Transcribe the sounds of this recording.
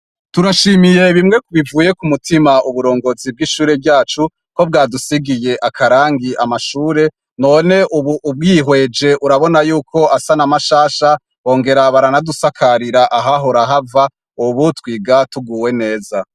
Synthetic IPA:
tuɾaʃiːmije̞βimŋe̞kuβivuːjekumutimaʔuβuɾo̞ːŋɡo̞zib̚ɡiʃuːɾe̞bɟaːt͡ʃu | ko̞b̚ɡaːdusiɡije̞ʔakʰaɾaːŋɡiʔamaʃuːɾe̞ | noːne̞ʔuβuːb̚ɡiɦwe̞d͡ʒe̞ʔuɾaβo̞najuːkʰo̞ʔasanamaʃaːʃa | βo̞ːŋɡe̞ɾaβaɾanadusakʰaɾiɾaʔaɦaɦoɾaɦava | uβutwiːɡatuɡuːwe̞ne̞ːza

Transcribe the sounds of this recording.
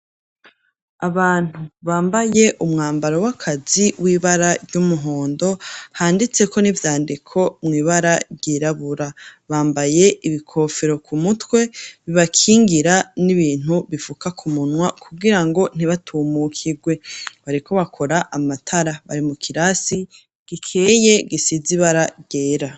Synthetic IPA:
aβaːn̥uβaːmbaje̞ʔumŋaːmbaɾo̞wakʰaziwʔiːβaɾaɾɟumuɦo̞ːndo̞haːndit͡se̞kʰo̞nivjaːndikʰo̞mŋiːβaɾaɾɟiːɾaβuɾaβaːmbaje̞ʔiβikʰo̞feɾo̞kumutwe̞βiβakʰiːŋɡiɾaniβiːn̥uβifukakʰumunwakʰuɡiɾaŋɡo̞n̥iβatʰuːmukʰiɡwe̞βaɾiko̞βakʰo̞ɾaʔamatʰaɾaβa̰ɾimukʰiɾasi | ɡ̥ikʰeje̞ɡisiziβaɾaɟ̥eːɾa

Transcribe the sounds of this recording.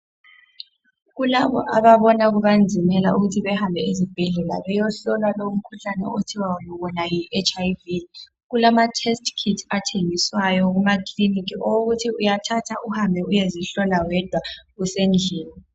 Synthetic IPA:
ɣulaβɔ̰ʔaβaβɔnaɣ̬uɓand͡zʱimɛla̰ʔuɣutʰiβɛhambʱɛizib̥ʱɛɮɛla̰ɓɛjɔɬɔlwaloum̩kʰuɬanɛ̰otʰiwawɔnɔwɔnajiʔɛt͡ʃʰʼajvi | ɣulamatʰɛstʰkʰitʰatʰeŋiswajɔɣ̬umakʰlinikʰiʔɔwoɣutʰiujatʰatʰaʔuhambʱɛujeziɬɔnawɛd̥ʱwaɣusend͡ɮʱɛːni

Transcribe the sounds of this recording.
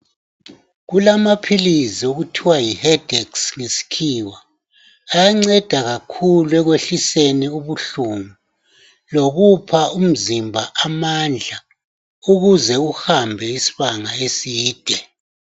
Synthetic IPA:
ɣulamapʰilizioɣutʰiwajihɛd̥ʱɛksŋesi̥kʰiːwaː | jaŋ͡ǀɛd̥ʱaɣakʰuluɛɣweɬiseniuβuɬumu | loɣupʰaum̩zimbʱaʔamand͡ɮʱa | uɣuzɛuhambʱɛisi̥βaŋaesiːd̥ʱɛ

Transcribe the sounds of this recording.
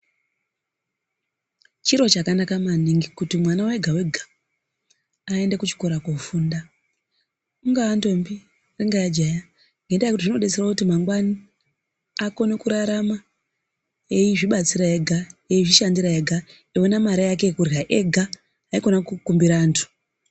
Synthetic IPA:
t͡ʃiɾo̞t͡ʃakanakamaniŋɡikutimwanaweɡʱawe̞ɡʱa | e̞ndekut͡ʃi̥ko̞ɾakofuːnda | uŋɡaːndo̞mbi | reŋɡajad͡ʒaja | ŋɡendajekutiʐino̞ɗet͡serwakutimaŋɡwani | ako̞nekuɾaɾama | ejiʐiɓat͡siɾae̞ɡʱaeiʐiʃandiɾaeɡʱa | ewenamaɾajak̬e̞kurjaʔeɡʱaː | iko̞nakukumbiɾaːntʰu̥

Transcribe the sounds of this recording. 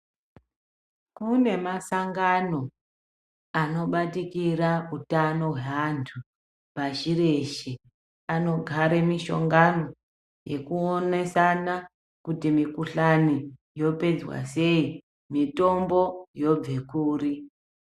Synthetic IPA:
kune̞masaŋɡano̞ | ano̞ɓatikirautano̞ɦweantʰu | paʃire̞ʃi | ano̞ɡʱaɾemiʃo̞̰ŋɡano̞ | je̞̰kuone̞sana | kutimikuɬani | jo̞pe̞d͡zwa̰se̞i | mito̞mbo̞jo̞b͡ve̞kuːri

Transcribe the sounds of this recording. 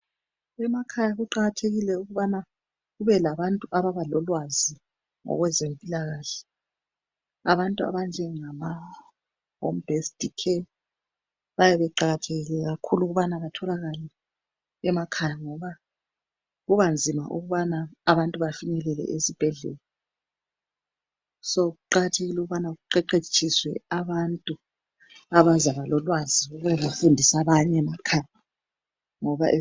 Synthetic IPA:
ɛmakʰajaɣuǃaɣatʰeɣilɛuɣuβana | ɣuβɛlaβantʼuʔaβaβalɔlwazi | ŋɔ̰ɣwɛzempʼilaɣaːɬɛ̥ | a̰βantʼua̰βand͡ʒʱɛŋama | ɦɔmbʱestʼikʰɛ | βajɛβɛǃaɣatʰeɣilɛɣakʰuluɣuβanaβatʰɔlaɣalɛ | ɛmakʰajaŋɔβa | ɣuβand͡zʱima̰ʔuɣuβanaːβantʼuβafinɛlɛlɛ̰ʔesib̥ʱɛɮɛ̰lɛ | sɔɣuǃaɣatʰeɣiluɣuβanaɣuǃɛǃet͡ʃʰʼiswɛ̰aβantʼu | aβazaβalɔlwaziuɣuɛβafundʱisaβaɲɛmakʰaja | ŋɔβa̰ʔe

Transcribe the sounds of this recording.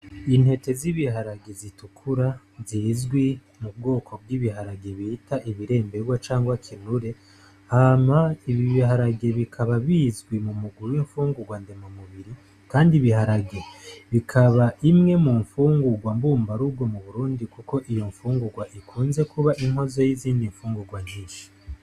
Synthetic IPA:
in̥he̞te̞ziβiɦaɾaɡezitukʰuɾa | zizɡwi | mub̚ɡo̞ːkʰo̞b̚ɡiːβiɦaɾaɡe̞βitʰaʔiβiɾe̞ːmbe̞ɡwat͡ʃaːŋɡwakʰinuɾe̞ | hamaiβiβiɦaɾaɡe̞βikʰaβaβiːzɡwimumuɡuɾuwiɱfuːŋɡuɡwande̞momuβiɾi | kaːndiβiɦaɾaɡe̞βikʰaβaʔimŋe̞muɱfuːŋɡuɡwambuːmbaɾubɡwomuβuɾuːndikuko̞ʔijo̞ɱfuːŋɡuɡwaʔikʰuːnze̞kʰuβaʔiŋɦo̞zo̞jiziːndiɱfuːŋɡuɡwaɲiːʃi̥

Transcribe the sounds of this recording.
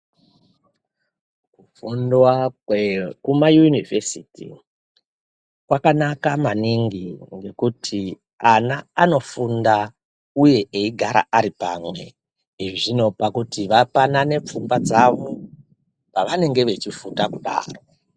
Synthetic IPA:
kufundwawekumajunivesitḭ | kwakanakamaniŋɡiŋɡe̞kutʰi | anaːno̞funda | uje̞ʔeiɡʱaɾa̰aɾipa̰mwe̞̰ | ɦiʐiʐino̞pakutiʋapanane̞p͡fumbad͡zaʋo | paʋane̞ŋɡe̞ʋe̞t͡ʃifutakuɗa̰ːro

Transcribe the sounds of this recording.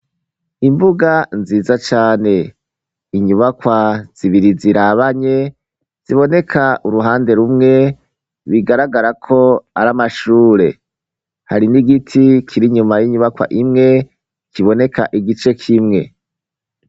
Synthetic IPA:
imbuɡanziːzat͡ʃaːne̞ | iɲuβakwaz̥iβiɾiziɾaβaɲe̞ | z̥iβo̞ne̞kʰaʔuɾuɦaːnde̞ɾumŋe̞ | βiɡaɾaɡaɾakʰo̞a̰ɾamaʃuːɾe̞̰ | haɾiniɡitʰikʰiɾiɲumajiɲuβakwa̰ʔimŋe̞ | kiβo̞ne̞ka̰ʔiɡit͡ʃe̞kʰimŋe̞̰

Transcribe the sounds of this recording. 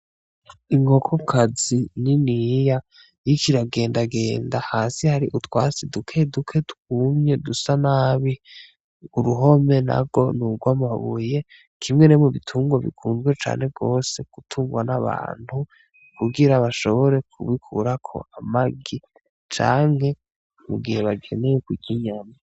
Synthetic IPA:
iŋɡo̞kʰokʰazininija | jikʰiɾaɡe̞ːndaɡe̞ːndahaːsihaɾiʔutwaːsidukʰe̞dukʰe̞tu̥kuːmɲe̞dusanaːβi | uɾuɦo̞me̞na̰bɡo̞nuɡwamaβṵje̞ | kʰimŋe̞nemuβitʰuːŋɡwaβḭkʰuːnzɡwe̞t͡ʃa̰ːnhe̞b̚ɡo̞ːse̞ɡ̥utʰuːŋɡwanaβa̰ːn̥hu | kuɡiɾaβaʃo̞βo̞ɾe̞kʰṵβikʰṵɾakʰo̞̰ʔamaɡi | t͡ʃa̰ːŋ̥he̞ | muɡihe̞βaɡe̞̰ne̞jekwiɟiɲama

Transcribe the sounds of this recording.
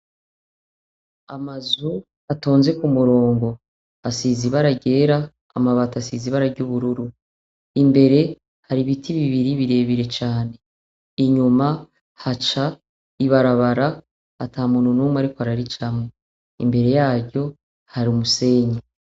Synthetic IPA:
amazu | ato̞ːnze̞kumuɾo̞ːŋɡo̞ | asiziβaɾaɟe̞ːɾa̰ː | maβatasiːziβaɾaɾɟuβuɾuɾu | imbe̞ɾe̞ | haɾiβitʰiβiβiɾiβiɾe̞ːβiɾe̞t͡ʃaːne̞ | iɲuma | hat͡ʃa | iβaɾaβaɾa | atʰaːmuːnhunuːmwaɾikoaɾaɾit͡ʃamo | ḭmbe̞ɾe̞jaːɾɟo̞ | haɾiumuse̞ːɲe

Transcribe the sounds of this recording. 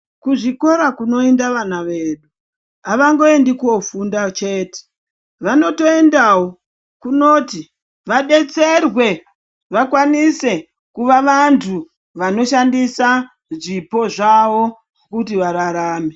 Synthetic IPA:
kuʐiko̞ɾakuno̞endaʋanaʋe̞ːɗu | aʋaŋɡo̞endikuofundat͡ʃe̞ːte̥ | ʋano̞to̞e̞ndawo̞ | kuno̞ːti | ʋaɗe̞t͡se̞rwe̞ | ʋakwanise̞ | kuʋaʋantʰu | ʋano̞ʃandisa | ʐipo̞ʐaʋo̞ | kutiʋaɾaɾaːme

